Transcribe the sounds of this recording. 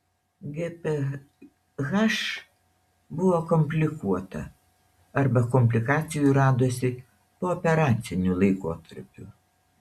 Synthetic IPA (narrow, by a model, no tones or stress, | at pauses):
ɡʲɛpʲe | ɣɐʃ | bʊʋoːkɔmʲpʲlʲɪkuɔt̪ɐ̰ | ɐɾbɐkɔmʲpʲlʲɪkɑːt̪sʲɪjuɾɑːd̪oːsʲɪ | poːɔpʲɛɾɑːt̪sʲɪnʲulˠɐɪkoːt̪ɐɾʲpʲṵ